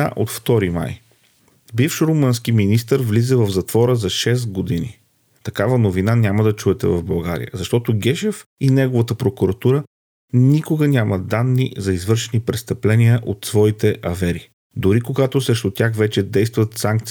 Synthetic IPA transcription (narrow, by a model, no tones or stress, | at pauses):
a̰ʔo̰t̪ft̪ɔɾima̰j | bifʃoɾomənsk̟iminist̪əɾvlizɛvɐvzɐt̪vɔɾəzɐʃɛs̬t̪ɡod̪inḭ | t̪ɐkavənovinanʲaməd̪ɐt͡ʃuɛt̪ɛvɐvbɐlˠɡa̰ɾḭjə̰zɐʃt̪ɔt̪oɡʲɛʃɛfinɛɡovɐt̪əpɾokʊɾɐt̪uɾə | nikoɡənʲjaməd̪anːḭzɐizvɤɾʃɛnipɾɛst̪əplɛniəʔot̪svɔit̪ɛʔɐvɛɾi | d̪ʊɾikoɡat̪osɾɛʃt̪ʊt̪ʲjaxvɛt͡ʃɛd̪ɛjst̪vɐt̪saŋk̚t̪s